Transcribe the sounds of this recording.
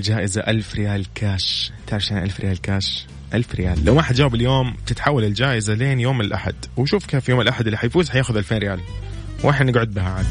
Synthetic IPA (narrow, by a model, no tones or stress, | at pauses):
ld͡ʒaːʔɪzaʔalfɾɪjaːlkʰaːʃt̪aʕɾʃeːnʔalfɾʔɪjaːlkaːʃ | ʔalfɾɪjaːlːawmaħat̪d͡ʒaːwbɪljoːmt̪ɪt̪ħawːalɪld͡ʒaːʔɪzaleːnjoːmːɪnɪlʔaħa̰d̪̥wʃuːfkeːfjoːmɪlʔaħad̪ɪlːiħajfuːzħajaːxʊðʔalfeːnɾɪjaːl | wʔaħɪdnɪɡʕʊd̪̚bɪɦaʕan